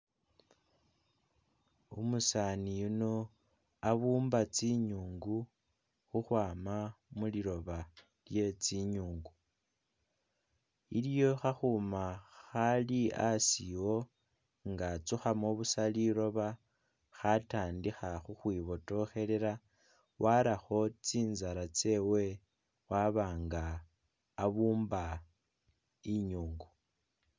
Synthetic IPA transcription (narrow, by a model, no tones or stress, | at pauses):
umusanijuno | aβuːmbat͡siɲuːŋɡu | xuxwaːmamuliɾo̞βa | lje̞t͡siɲuːŋɡu | iljo̞xaxumaxaliasiwo̞ | ŋɡat͡suxamoβusaliɾo̞βa | xataːndixaxuxwiːβo̞to̞xe̞leɾa | wʔaɾaxo̞t͡siːnzaɾat͡se̞we̞ | waβaːŋɡaː | βuːmba | iɲuːŋɡu